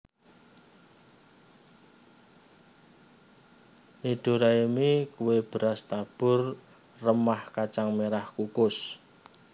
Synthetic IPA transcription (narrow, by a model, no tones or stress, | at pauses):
nid̪̥o̤ɾaimikuweb̥ə̤ɾast̪ab̥ʊ̤r | rəmahkat͡ʃaŋmeɾahkukʊs